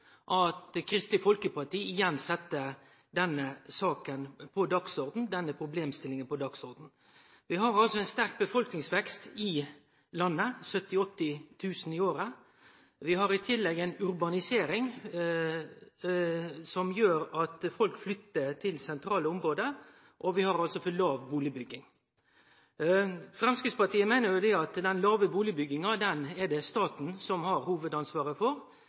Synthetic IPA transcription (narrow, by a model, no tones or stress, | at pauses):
ʔɑt̪kʰɾɪst̪ɪfɔlkəpʰɑʈiːɪjɛnsɛt̪ːə | d̪ɛnːəsɑːkənpʰɔd̪ɑɡsɔɾd̪n̩d̪ɛnːəpʰɾʊbleːmst̪ɪlɪŋənpʰɔd̪ɑɡsɔɾd̪n̩ | ʋɪɦɑɾɑlsɔɛnst̪æɾk̚bəfɔlknɪŋsʋɛkst̪ɪ | lɑnːəsœt̪ːɪɔt̪ːɪt̪ʰʉːsənɪoːɾə | ʋɪɦɑɾɪt̪ʰɪlːɛɡɛɪnʉɾbɑnɪseːɾɪŋ | sɔmjøːɾɑt̪fɔlkflʏt̪ːəɾt̪ʰɪlsɛnt̪ʰɾɑːləɔmɾoːd̪ə | ʔɔʋɪhɑɾɑlsɔfɔlɑːʋbuːlɪbʏɡːɪŋ | fɾɛmskɾɪt̪spɑʈ̪iːəmæɪnəɾjʊd̪ɛɑt̪d̪ɛnlɑːʋəbuːlɪbʏɡːɪŋɑd̪ɛnɛd̪ɛst̪ɑːt̪n̩sɔmhɑɾhuːʋəd̪ɑnsʋɑːɾəfɔɾ